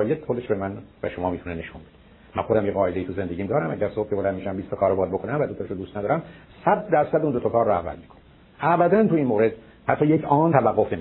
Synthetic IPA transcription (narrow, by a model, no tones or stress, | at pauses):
jet̪xod̪eʃbemænvæ̰ʃomɒːmiːt̪uneneʃunbed̪e̥ | mæ̰nxod̪æmjeɣɒːed̪eiːt̪uze̞nd̪eɟiːmd̪ɒːɾæmʔæ̰ɟæɾsob̚kʰʲebolæniːʃæmbiːst̪ʰɑkʰɒːɾbɒːd̪̚bokʰonæmvæd̪ot̪ʰɔʃod̪uːst̪næd̪ɒːɾæmsæd̪̚ːæɾsæd̪uːnd̪ot̪okʰɒːɾːɔæ̰væ̰lmiːkʰone̥ | æbæd̪ænt̪ʰuinmoːɾed̪ | hæt̪ʰːɒːjecʰɒːnt̪ʰævæɡːofnem